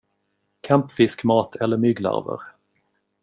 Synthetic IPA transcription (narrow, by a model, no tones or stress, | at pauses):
kʰampfɪskmɑːt̪ʰɛlːəɾmʏːɡla̰ɾvə̰ɾ